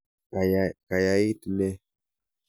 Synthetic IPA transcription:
ka˨ja˦ji˦tne˦

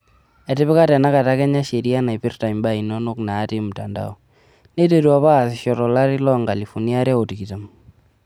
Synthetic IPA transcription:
ɛ˨tɪ˦bɪ˦ka˦tɛ˨na˦ka˨ta˦kɛ˦ɲa˦ʃe˨ɾi˦a˦na˨jpɪ˦rta˨jmba˦i˨no˦nʊ˦knaː˨˦tɪ˦m̩˨ta˨nda̰˦o˦ | ne˦te˦ɾu˦a˦paː˦˨sɪ˨ʃɔ˨tɔ˨la˦ɾɪ˦lɔ˦˨ŋɡa˨li˨fɔ˨ni˦a˦ɾɛ˦o˨ti˨ki˨ta˨m

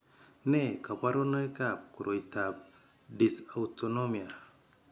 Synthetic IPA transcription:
ne˦˨ka˨pa˦ɾo˦no˦e˦ka˦˨p̚ku˨ɾʔo˨i˨ta˨p̚ | di˨sa˨uto˨no˦mi˨a˨

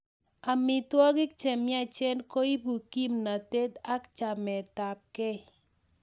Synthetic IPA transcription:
a˨mɪ˨t̪wɔ˦ɡɪ˦k̚t͡ʃe˨mɪ˦a˦˨t͡ʃɛ˦nko˦i˦bu˨ki˦mna˨te˦t̪a˦kt͡ʃa˨mɛ˨t̪a˨p̚kɛ˦

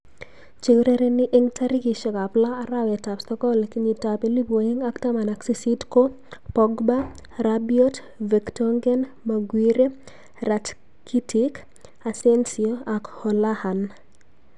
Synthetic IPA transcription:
t͡ʃeɡɾe˦ɾe˦nɪ˦ʔeŋta˦ɾi˦ki˨ʃɔ˨ka˨plaː˦ɾa˦wɛ˨ta˨ptɔ˦kɔ˦lki˦ɲi˨ta˨pe˦li˦bo˨e˦ŋa˦kta˦ma˨na˨ksi˦si˦dko˦ | pɔɡba˦ | rabjɔ˦t | ve˨ktɔŋɡɛ˦n | ma˨ɡwi˦ɾe˦ | ra˨t | ki˦tʰik | a˨sɛ˦nsioa˨khɔ˨la˦ha˨n

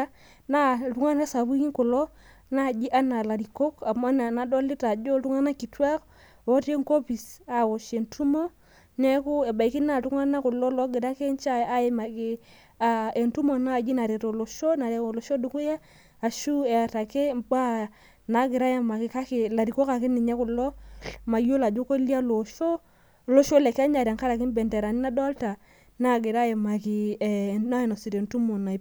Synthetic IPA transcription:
na˦tu˦ŋa˦n˦a˦sa˨bu˦ki˦ŋkʊ˨lo˦ | na˦˨d͡ʒi˦ʔa˦na˨la˨ɾi˨ko˦ka˨ma˦na˨na˨do˦li˦ta˨d͡ʒo˦tu˦ŋa˦na˦ki˨twa˦k | o˦te˦ŋko˦pi˨sa˨wo˨ʃe˨ntu˦mo˦ | ne˦ku˦e˨ba˨i˨ki˦na˦˨tu˦ŋa˦na˦kʊ˨lo˦lo˦ɡɪ˨da˦ke˦n˦t͡ʃa˦˨a˦ji˦ma˨ki˦ | a˨e˨ntu˦mo˨na˦˨d͡ʒi˦na˨ɾe˨ɾo˨lo˨ʃo˦na˨ɾe˨o˨lo˨ʃo˦du˨ku˦ja˦ | a˨ʃu˦e˨a˨ta˨ke˦mk͡pa˦ | na˨˦ɡɪ˨ɾa˦ja˦ma˨kɪ˨ka˦kɪ˨la˨ɾi˨ko˦ka˨ki˦ni˨ɲɛ˦ku˨lːɔ˦ma˨jo˦la˨d͡ʒu˦ko˦li˦a˦lo˨ʃo˦ | lo˦ʃo˦le˨ka˦ɲa˨ɾa˨ŋka˦ɾa˨ki˦m˦bɛ˨nte˨ɾa˨ni˦na˦dɔ˦lta˨ | na˦˨ɡɪ˨ɾa˦je˨ma˨ki˨na˦e˨no˨si˨ɾe˨ntu˦mo˨na˨

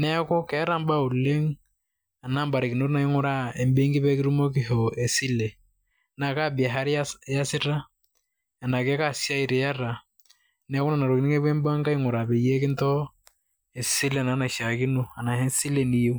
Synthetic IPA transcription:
nɛ˦kɔ˦kɛ˨˦a˦ɾa˦˨mba˦u˨le˦ŋ | a˨na˦mba˨ɾe˨kɪ˨no˦ɾna˨i˦ŋʊ˦ɾa˦e˨mbe˦ŋɡi˦bɛ˦kɪ˦ɾu˦mo˦k̬ɪ˦ɦo˨e˨si˦le˨ | na˨ka˦bi˨a˨ɦa˦ɾa˦ja˦si˦ɾa˦ | a˨na˨kɛ˦ka˦˨sja˦i˨ɾe˨ja˦ra˨ | nɛ˨˦ko˦na˨na˨ɾo˨ki˨ni˦ŋe˦be˦mba˦ŋka˦i˦ŋʊ˨ɾa˨be˨je˦kɪ˦ntɔ˦ | e˨si˦le˨na˨˦na˨ʃa˨ki˦no˦a˨na˨hɛ˦nsi˦le˨ni˨jo˦

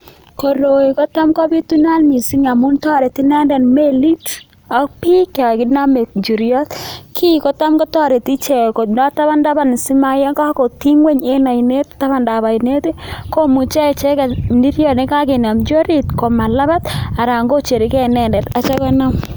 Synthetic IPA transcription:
ko˨ɾo˨i˨kɔ˦ta˦mkɔ˦bi˦tu˦na˦lmi˨si˦ɲa˨mu˦ntɔ˦ɾe˨ti˦nɛ˦ndɛ˨nme˦li˦t | ɔ˦k̚pi˦kɛ˨a˨kɪ˦na˦me˨k̚d͡ʒu˨ɾjɔ˦tkʰi˦ko˦ta˦mkɔ˦tɔ˦ɾe˨ti˦t͡ʃe˨ko˨tnɔ˦ta˦βa˦nda˦ba˨n˨si˦ma˦ja˦ŋɡa˦ko˨ti˦ŋwe˦ɲe˦na˨i˨ne˦tta˦βa˦˨nda˨βa˨i˨ne˦te˦ko˦mu˨t͡ʃɛ˦˨t͡ʃɛ˦ka˨ni˦ɾjɔ˨ne˦ka˦ke˨na˨md͡ʒo˦ɾi˦˨tko˨ma˨la˦ba˦ta˨ɾa˨ŋɡo˦t͡ʃe˨ɾi˨˦kɛ˦nɛ˦ndɛ˨ta˨t͡ʃɛ˦kɔ˦na˦m

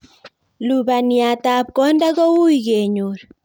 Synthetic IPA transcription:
lu˨ba˨nja˨ta˨p̚kɔ˦nda˦ɣo˦wu˦iɡe˨ɲu˨ɾ

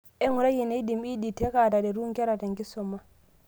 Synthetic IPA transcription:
ɛ˦ŋu˨ɾa˦ji˨ne˦i˦di˨mi˦di˨te˦ka˨da˨dɛ˨ɾu˦ŋkɛ˦ɾa˨ta˨ŋki˦sɔ˨mːa˦

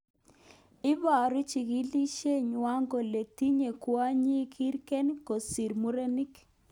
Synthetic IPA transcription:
ɪ˦βa˨ɾu˦t͡ʃi˨ɣi˦li˦ʃe˦ɲwa˦ŋɡɔ˨le˨ti˦ɲe˨kwa˦ɲi˦kʰi˦ɾkɛ˦nko˨si˨ɾmu˦ɾe˦ni˦k

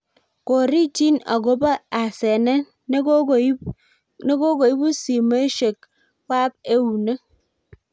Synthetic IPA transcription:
ko˨ɾi˦ti˦na̰˨ɡo˦ba˦a˨se˨ne˦˨˦ | ne˦ɡo˦ɡo˨i˦bu˦si˨me˦ʃe˨k̚ | wa˦p̚e˦wu˨ne˦

